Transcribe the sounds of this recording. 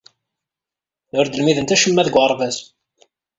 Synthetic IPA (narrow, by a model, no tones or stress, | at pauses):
ʊɾd̪əlmiðənt̪æʃəmːæðɡʷɑɾˤvæs